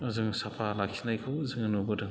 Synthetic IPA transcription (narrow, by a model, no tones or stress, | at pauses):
azɯŋsapʰalak̚sʰinajkʰawzɯŋɯnɔbɯdɯ